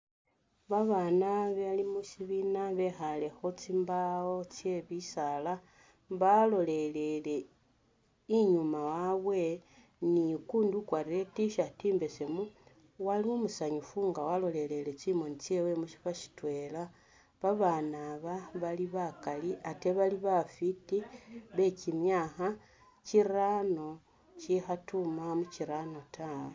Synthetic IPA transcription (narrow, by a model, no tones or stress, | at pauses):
βaβanaβealimuʃiβinaβe̞xale̞xo̞t͡simbaot͡se̞βisala | βalo̞le̞le̞le̞ | iɲumawaβwe̞ | nikuːndukwaɾile̞tiʃatiːmbe̞semu | waliomusaɲufuŋɡawalo̞le̞le̞le̞t͡ʃimo̞nit͡ʃewe̞muʃi̥faʃi̥twe̞ːla | βaβanaβaβaliβakaliʔate̞βaliβafitiβe̞cimjaːxa | ciɾano̞ | t͡ʃixatumamut͡ʃiɾano̞tawe